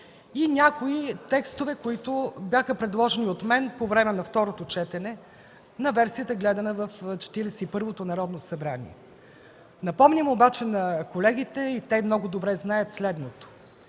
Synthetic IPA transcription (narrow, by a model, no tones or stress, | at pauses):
inʲakoit̪ɛkst̪ovɛkoit̪objaxəpɾɛd̪lˠɔʒɛniot̪mɛnpovɾɛmɛnɐft̪ɔɾot̪ot͡ʃɛt̪ɛnɛ | nɐvɛɾsijət̪əɡlɛd̪ɐnəvəft͡ʃɛ̥t̪iɾɛsɛipɤɾvot̪onɐɾɔd̪nosɐbɾanʲḭɛ̰ | nɐpɔmnʲimobat͡ʃɛnɐkolɛɡ̟it̪ɛit̪ɛmnɔɡʊd̪obɾɛznajət̪slɛd̪not̪o̥